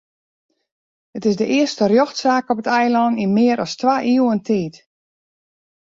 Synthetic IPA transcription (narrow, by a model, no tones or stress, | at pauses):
ətɪsdəʔɪəstərjoxtsaːkɔpətɛjlˠɔninmɪəɾɔstʋaʔiwəntʰiːt